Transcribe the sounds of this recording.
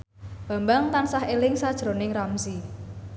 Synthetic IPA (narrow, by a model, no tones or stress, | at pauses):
b̥a̤mbaŋt̪ansahelɪŋsad̥ʒ̥ɾonɪŋramsi